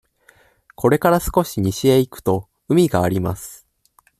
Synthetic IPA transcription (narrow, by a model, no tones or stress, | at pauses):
kʰo̞ɾe̞kaɾasɨ̥ko̞ɕiɲ̟iɕieikɯ̟̥t̪o̞ | ɯ̟mʲiɡaːɾʲimasɨ̥